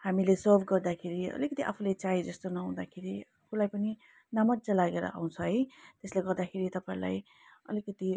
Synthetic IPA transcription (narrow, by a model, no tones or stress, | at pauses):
hamilesʌrbʱɡʌrd̪akʰeɾiʌ̰likʌt̪iʔa̰pʰulajt͡saɦid͡zʌst̪onʌɦũd̪akʰeɾiapʰulajpʌni | namʌd̪d͡zalaɡeɾʌ̰ʔa̰w̃t͡sʰʌɦʌjt̪esleɡʌrd̪akʰeɾit̪ʌpaĩla̰j | ʌ̰likʌt̪i